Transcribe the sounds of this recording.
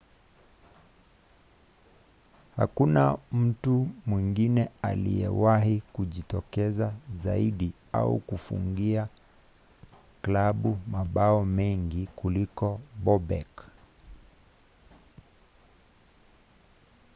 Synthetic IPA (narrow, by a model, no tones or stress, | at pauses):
ha̰kunam̩tumwiŋɡinɛa̰lḭɛ̰wahikuʄitɔkɛzazaiɗi | a̰ṵkufṵŋɡia | klaɓumaɓaɔmɛŋɡikulikɔɓɔɓɛ̰k